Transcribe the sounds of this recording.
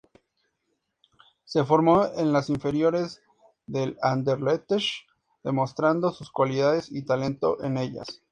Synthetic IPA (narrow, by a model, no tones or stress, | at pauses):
se̞fo̞ɾmo̞enlasiɱfe̞ɾjo̞ɾe̞z | ðe̞land̪eɾlet̪eʃ | ðe̞mo̞st̪ɾand̪o̞suskwaliðaðesit̪ale̞nt̪o̞̰ʔe̞ne̞ʝa̰s